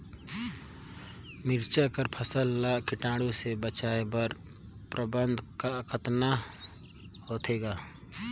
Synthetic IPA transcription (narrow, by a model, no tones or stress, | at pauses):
mɪɾt͡ʃakəɾpʰəsəlːakɪʈaːɽusebət͡ʃaːebəɾ | pɾəbə̃nd̪ʱkakʰət̪na | hoːt̪eːɡaː